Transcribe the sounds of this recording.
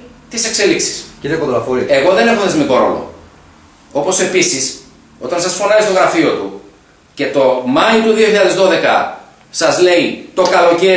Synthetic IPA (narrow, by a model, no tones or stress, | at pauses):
t̪ise̞kse̞liksi̥sit̪ekoðolɐfoɾieɣo̞ðe̞nexoðezmiko̞ɾo̞̰lo̰ | o̞po̞se̞pisis | o̞t̪ɐnsɐsfo̞nɐist̪o̞ɣɾɐfio̞t̪u | ce̞t̪o̞mɐit̪uðio̞çiʎɐðezðo̞ðe̞kɐ̰ | sɐzle̞it̪o̞kɐlo̞ce̞